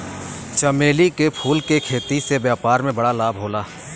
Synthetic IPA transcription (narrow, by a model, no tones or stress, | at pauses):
t͡ʃəmeːlikepʰuːlkekʰeːt̪isebjaːpaːɾmẽbɐɽalaːbʱɦoːlaː